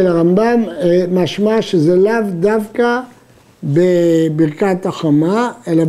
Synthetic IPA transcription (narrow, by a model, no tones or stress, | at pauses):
elaʁambammaʃmaʃezelavd̪avka | bebiʁkataχamaela